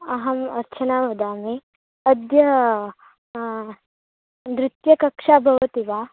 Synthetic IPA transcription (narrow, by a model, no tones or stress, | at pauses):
ɐɦɐmɐɾt͡ʃʰɐnaːʋɐd̪aːme | ɐd̪jɐ | nd̪ɾɪt̪jɐkɐkʂaːbʱɐʋɐt̪iʋaː